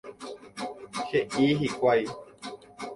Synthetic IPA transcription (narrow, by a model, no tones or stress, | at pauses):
xeʔiɦikʷaj